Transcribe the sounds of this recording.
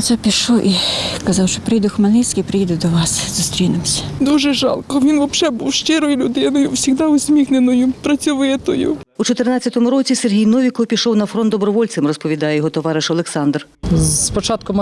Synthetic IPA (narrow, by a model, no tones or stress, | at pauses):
t̪sɛpʲiʃɔwʔikɐzɑwʃt͡ʃɔpɾɪjd̪ʊxmɐlʲnɪsʲkʲipɾɪjid̪ʊd̪ɔʋɑsz̥ʊst̪ɾʲinemsʲɐ̥d̪uʒɛʒɑ̰lˠkɔʋʲinʋɔpt͡ʃɛbuwʃt͡ʃɪɾɔjʊlʲʊd̪ɪnɔjʊwsʲiɣd̪ɑʊzʲmʲixnenɔjʊpɾɐt͡sʲuʋʊjɛt̪ɔjṵut͡ʃɔt̪ernɑt͡sʲːɐt̪ɔmʊɾɔt͡sʲiserɦʲijnɔʋʲikɔɔpʲiʃɔwnɐfɾɔnd̪ɔbɾɔʋɔlʲt̪sɪmrɔspɔʋʲid̪ɑjɛjɔɦɔt̪ɔʋɑɾɪʃɔlˠeksɑnd̪r | pɔt͡ʃɑt̪kʊm